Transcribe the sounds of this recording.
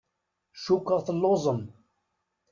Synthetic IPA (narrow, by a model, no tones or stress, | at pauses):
ʃukːəʁθəlːozˤəm